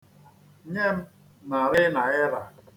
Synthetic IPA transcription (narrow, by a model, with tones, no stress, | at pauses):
ɲe˦m̩˦ | na˨ɾɪ˦na˨ɪ˦ɾa˨